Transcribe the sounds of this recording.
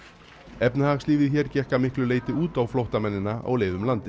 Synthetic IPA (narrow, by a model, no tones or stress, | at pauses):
ɛpnɪhaɣsliːvɪðçɛːɾcɛhkamɪhklʏleːjt̪ɪuːt̪awflowht̪amɛnːɪnaa̰wleːjðʏmlant̪ɪ